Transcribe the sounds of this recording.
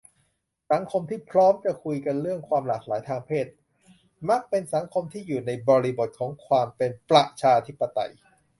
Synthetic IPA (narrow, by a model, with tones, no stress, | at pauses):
sa˩˦ŋkʰo˧mt̪ʰiː˥˩pʰɾɔː˦˥mt͡ɕa˨˩kʰu˧jka˧nɾɯ˥˩əŋkʰwaː˧mlaː˨˩k̚la̰ː˩˦jt̪ʰaː˧ŋpʰeː˥˩t̪̚ | ma˦˥˩k̚pe˧nsa˩˦ŋkʰo˧mt̪ʰiː˥˩juː˨˩na˧jbɔː˧ɾiː˧bo˨˩t̪̚kʰɔː˩˦ŋkʰwaː˧mpe˧npɾa˨˩ʔt͡ɕʰaː˧t̪ʰi˦˥pːa˧t̪a̰˧j